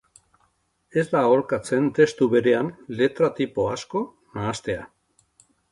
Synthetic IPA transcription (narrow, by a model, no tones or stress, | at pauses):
e̞zd̪ao̞ɾkat͡se̞nt̪e̞st̪uβe̞ɾe̞anle̞t̪ɾat̪ipo̞asko̞ | naːst̪e̞a̰